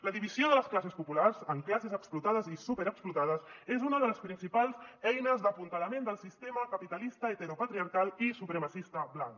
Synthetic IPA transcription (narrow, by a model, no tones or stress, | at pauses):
ləðiβizioðələsklasəspupularzəŋklasezəksplut̪aðəzisupeɾəksplut̪aðəzezunəðələspɾinsipalˠzɛjnəzd̪əpunt̪ələmend̪əlˠsist̪eməkəpit̪əlist̪əet̪əɾupət̪ɾiəɾkalisupɾəməsist̪əβlaŋk